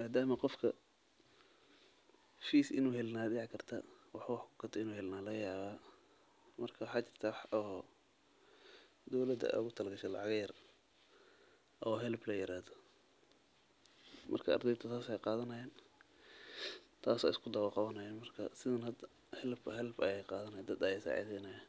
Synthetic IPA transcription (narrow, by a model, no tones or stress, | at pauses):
maːd̪aːmɐqɔfkʰɐ | fiːsɪ̰nuːɦɛlnaːd̪ɛʕkʰɐrt̪ʰɐwɑħwɑħkʰʊ̥kʰɐt̪ʰɛɪnuːhɛlnaːlɐɣɐjaːβaː | mɐrkʰɐwɑħɑːt͡ʃɪr̥t̪ʰɐwħɔ | d̪ɔwlɐd̪ɐ̰ʊɣʊt̪ʰɐlɐɡɐʃɛlɑ̰ʕɑɣjɐr | ʔɔːɦɛlblɐjɪɾaːhðɔ | mʔɐ̰rkʰɐɐ̰rd̪ɛjd̪tʰɐt̪ʰaːsɛjqɑːðɐnɐjɛːn | t̪ʰaːsɛ̰ɪskʰʊd̪ɐwɑlqɑβɐnɐjɛːnmɐrkʰɐ̰sɪðɐnhɐd̪ɐ | hɛlbhɛlbɐjɛjqɑːðɐnɐjɛd̪ɐd̪ɐjɛsɑ̰ːʕḭːsɛnɐja